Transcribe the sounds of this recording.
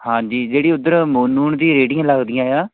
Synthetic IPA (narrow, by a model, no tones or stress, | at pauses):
hãːɲd͡ʒiːd͡ʒeːɽiːʊd̪əɾmuːnuːɳd̪iːɾeːɖɪjãːləɡd̪ijãːjãː